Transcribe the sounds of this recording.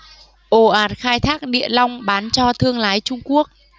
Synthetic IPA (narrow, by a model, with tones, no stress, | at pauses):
ʔo˧˩ʔaː˨˩t̚xaː˧jt̪ʰaː˦˥k̚ɗḭ˧˨əla˧wŋ͡mɓaː˨˦nt͡ɕɔ˧t̪ʰɨ˧əŋlaː˨˦jt͡ɕʊ˧ŋ͡mku˦˥ək̚